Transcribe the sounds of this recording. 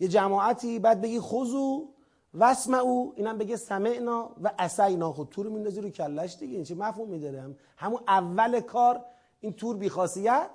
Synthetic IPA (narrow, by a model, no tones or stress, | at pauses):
je̞d͡ʒæmɒːæt̪ʰiːbæːd̪̚be̞ɡiːxozuː | væsmæuːiːnæmbe̞ɡesæmeʔnɒːvæʔæsæjnɒːxot̪ʰuːɾmind̪ɒːziɾucʰælːæʃd̪iɡeint͡ʃʰimæfhumid̪ɒːɾeæm | hæmuʔævːælekʰɒːɾ | iːnt̪ʰuːɾbiːxɒːsijæt̪̚